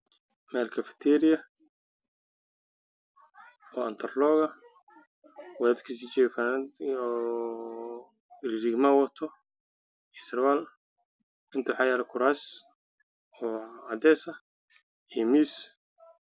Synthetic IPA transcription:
mɛːlkʰɐfɪ̥t̪ʰɛːɾɪjɐ | ɔːɐnt̪ʰɐrlɔːɣɐ | wɛd̪kʰis̬it͡ʃɛːfand̪ | rɾiɡmawɐt̪ʰɔ | ɛsɾwaːl | ɪnt̪ʰʊwħɑjaɾɛkʰʊɾaːs | ɔːad̪ɛːsɐ | imiːs

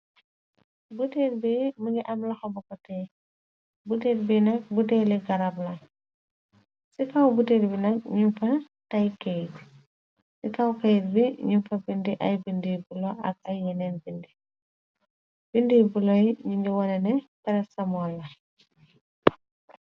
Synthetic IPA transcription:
buteːdbimuŋɡiʔɐmlɐxɐbɔkɔtɛj | butedbinɐk̚budɛliɡɐɾablɐ | sikawbuteːdbinɐk̚ɲumfɐ | tɐjkejt | sikawkejt̚biɲumfɐbindiʔɐjbindibulɔʔɐ̰k̚ɐjːɛnɛnbindi | b̥indibulɔjɲiŋɡiwɐnɛnɛtɛɾɛsɐmɔlːɐ

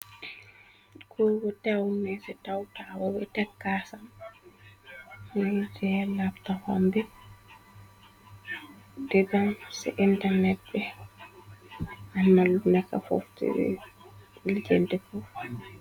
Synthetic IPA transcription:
kɔwɔtawnːɛsɛtawtawɔbɛtɛkːasam | mɛtɛlaftafa̰mbɛ | dɛbamsɛ̰ʔintanɛt̚bɛ | ʔamːalunɛkːa̰fo̰ftɛ̰bɛ̰ | ild͡ʒentɛfɔf

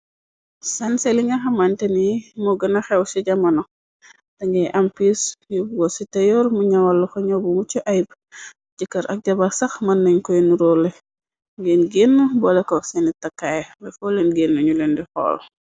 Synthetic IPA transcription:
sɐnseliŋɡɐxɐmantɛnimɔɡənɐxɛwsiɟɐmɐnɔ | tɐŋɡɛʔɐmpisjubuɡɔsitɐjɔɾmuɲɐwɐlːuxɔɲɔbumut͡ʃuʔajb | ɟəkːɐɾʔɐ̰k̚ɟɐbɐsɐxmɐnːɐɲkɔjnuɾɔlɛ | ŋɡenɡenːubɔlɛkɔsɛnitɐkːajbɛfɔlenɡenːuɲulendixɔ̰ːl

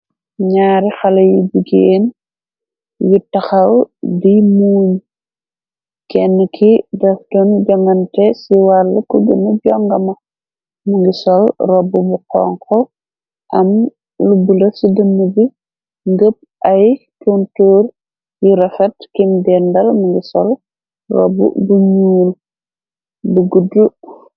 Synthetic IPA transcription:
ɲaːɾixɐlɐjud͡ʒuɡeːn | jutɐxɐlwdimuːɲ | kɛnːəkʰidɐfdɔnɟɐŋɡɐntɛsiwalːɐkuɡənɐɟɔŋɡɐmɐ | muŋɡisɔlrɔbːubukɔ̰ŋkɔ | ʔɐm | lubulɐsidənːəbi | ŋɡəp̚ʔɐjtuntoːr | juɾɐfɛtkimdɛndɐlmuŋɡisɔl | rɔ̰bṵbuɲuːl | buɡudu

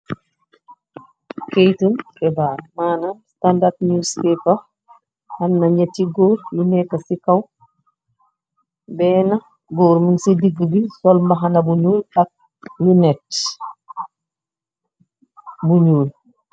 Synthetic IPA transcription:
kejtumkɛbaːɾmaːnanstandadnuːspɛpa | hɐnnɐɲatːiɡoːɾjinɛkːasikaw | bɛːnɐ | ɡoːɾmənsidiɡbisɔlmbɐɦanɐbuɲuːlɐk̚ | lunɛt | buɲuːl

